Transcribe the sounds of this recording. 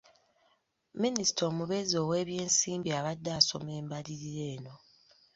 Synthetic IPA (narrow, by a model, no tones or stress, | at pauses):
minisi̥tʰo̞ːmuβe̞zo̞we̞ːβje̞ːnsiːmbiaβadːaːso̞̰me̞ːmbaliɾiɾe̞ːno̞